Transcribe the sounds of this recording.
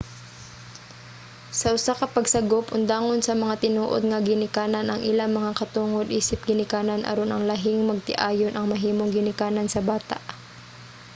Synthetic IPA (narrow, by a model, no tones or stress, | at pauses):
sɐʔʊsakɐpɐɡsɐɡopʊnd̪aːŋonsɐmɐŋat̪ɪnuːʔo̰d̪̚ŋɐɡɪnɪkaːnɐnʔɐŋʔɪlaŋmɐŋakɐt̪uːŋod̪̚ʔiːsɪp̚ɡɪnɪkaːnɐnʔɐ̰ɾonʔɐŋlɐɦɪŋmɐɡ̚t̪ɪʔaːjonʔɐŋmɐɦiːmoŋɡɪnɪkaːnɐnsɐbaːt̪a̰ʔ